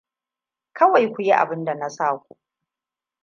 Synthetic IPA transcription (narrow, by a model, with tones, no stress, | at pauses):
kɐ˦wa˨jkʷu˨ji˦ʔa̰˨bɪ˦nda˨na˦saː˦˨kʷu˨